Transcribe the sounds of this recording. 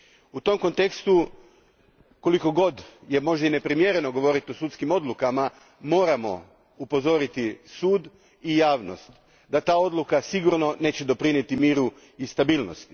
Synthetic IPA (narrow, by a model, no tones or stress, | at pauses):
ut̪o̞mko̞nt̪e̞kst̪u | ko̞liko̞ɡo̞d̪je̞mo̞ʒd̪aine̞pɾimje̞ɾe̞no̞ɡo̞ʋo̞ɾit̪iosut̪skimo̞d̪lukama | mo̞ːɾamo̞̰ | upo̞zo̞ɾit̪isuːd̪ | ijaːʋno̞̰st̪ | d̪at̪aːo̞d̪lukasiɡuɾno̞ne̞ːt͡ɕe̞d̪o̞pɾinjet̪imiːɾu | ist̪abiːlno̰st̪i